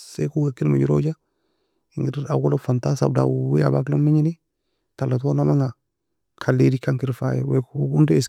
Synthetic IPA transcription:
sekuwekːinma̰d͡ʒuɾod͡ʒa | iŋɡiɾaɡolofantasa̰b̚da̰wea̰baklomiɲini | talːat̬onamaŋa | kʰalːedikaŋkiɾfa̰jɛ̰wekɡundɛːs

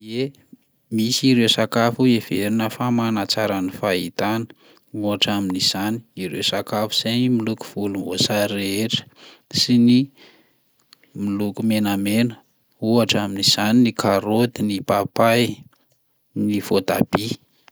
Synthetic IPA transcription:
e | misiɾewsakafuev̥eɾinəfamanat͡saɾanifait̪anə̥ | uaʈ͡ʂaminiz̥ani̥iɾewsakafu̥z̥enimiluku̥v̥ulumvosaɾeʈ͡ʂə̥ | sini | milukumenamenə | uaʈ͡ʂaminiz̥aninikaɾot̪inipapaj | nivot̪a̰b̥i

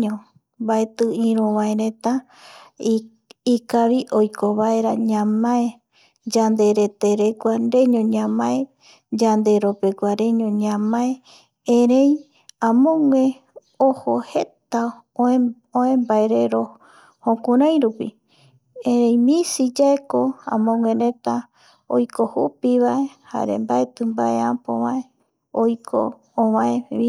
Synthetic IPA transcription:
õ | mbaet̪ɨĩɾũβãeɾẽt̪a | ikaβiʔojkoβaeɾaɲãmãe | d͡ʒand̪e̞ɾe̞t̪eɾekʷanɾe̞ɲõɲãmãe | d͡ʒand̪e̞ɾopekʷaɾe̞ɲõɲãmãe | ẽɾej | ãmõŋʷẽ | ohohe̞t̪a | o | õẽmbaeɾeɾo | hõkũɾãj̃ɾupi | ẽɾẽj̃mĩsid͡ʒaekoã̰mõŋʷẽɾẽt̪a | o̰jkohupiβae̞ha̰ɾḛmbaet̪ɨmbaeãmpo̰βae | ojkʰõ̰ː | βãeβi

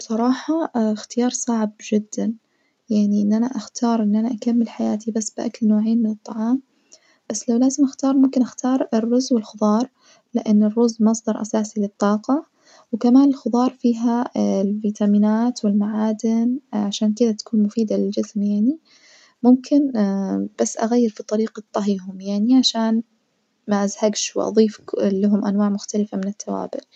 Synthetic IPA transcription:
b̥sˤɑɾˤɑːħɑxt̪ɪjɑːɾˤsˤɑʕbd͡ʒɪd̪ːan | jaʕniʔɪnːʔanaʔaxt̪ʰɑːɾˤʔɪnːʔanaʔakamːɪlħajaːt̪ibasːbɪʔa̰klnoːʕeːnmɪnɨt̪ˤːɑʕɑːm | b̥asːlawlaːzɪmʔaxt̪ɑːɾˤmʊmkɪnʔaxt̪ʰɑːɾˤɪrːʊzwɪlxʊðˤɑːɾˤ | lɪʔanːɪrːʊzmɑsˤd̪ɑɾˤʔa̰saːsilɨt̪ˤːɑːqɑ | wkamaːnɪlxʊðˤɑːɾˤfiːɦalviːt̪amiːnaːt̪wɪlmaʕaːd̪ɪnʕaʃaːnkɪd̪at̪ḁkuːnmʊfiːd̪alɪld͡ʒɪsmjaʕni | mʊmkʰɪnb̥asːʔa̰ɣajːɪɾfit̪ˤɑɾiːqɑt̪ˤːɑɦiːɦʊmjaʕniʕaʃaːn | maʔazhaɡʃwɪʔɑ̰ðˤiːflːɪɦʊmʔanwaːʕmʊxt̪alɪfamɪnɪt̪ʰːawa̰ːbɪ̰l

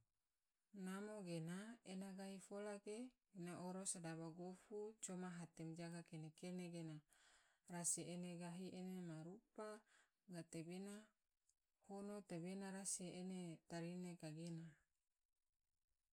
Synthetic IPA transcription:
namoɡenaenaɡaɦifolakeː | naʔoɾosadabaɡofut͡ʃomaɦat̪ɛmd͡ʒaɡakenekeneɡena | rasiʔeneɡaɦiʔenemaɾupa | ɡat̪ebena | honot̪ebenaɾaseenet̪aɾinekaɡena

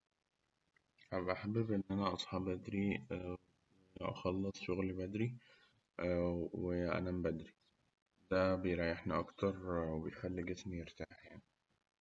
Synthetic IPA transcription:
abʔaħabːbʔɪnːʔænæʔɑsˤħɑːbʔæd̪ɾiww | eʔɑ̰xɑlːɨsˤʃoɣlibæd̪ɾi | weʔæ̰næmbæd̪ɾi | d̪̥æbejɾˤɑjeħniʔɑkt̪ɑɾˤwebejxælːeɡɪsmijeɾt̪aːħjaʕni

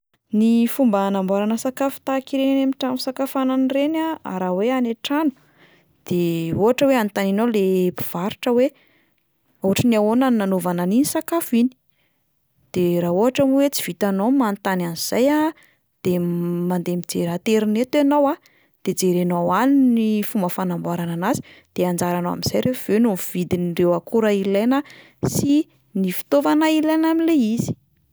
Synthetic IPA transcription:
nifumbənambaɾanəsakafu̥t̪akiɾenamiʈ͡ʂamusakafananirenaa̰ɾaweaneʈ͡ʂanu̥ | d̪̥eoɦaʈ͡ʂəweant̪aninolepiv̥aɾiʈ͡ʂəwe | uɦaʈ͡ʂəniawonaniːanovananinisakafini̥ | d̪̥eɾauɦaʈ͡ʂamuwet͡si̥v̥it̪anomant̪ananiz̥aja | d̪̥emand̪emid͡zeɾat̪eɾinet̪anowa | d̪̥ed͡zeɾenowaninifumbəfanambaɾananazi̥d̪̥eand͡ʒaɾanowa̰miz̥ajɾev̥enumv̥id̪inirewakuɾailejnə | si | nifi̥t̪ovanailajnamileiz̥i̥

